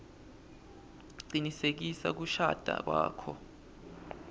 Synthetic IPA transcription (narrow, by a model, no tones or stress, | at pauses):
ǀinisek̬isa̰k̬uʃad̥ʱak̬waːkʰɔ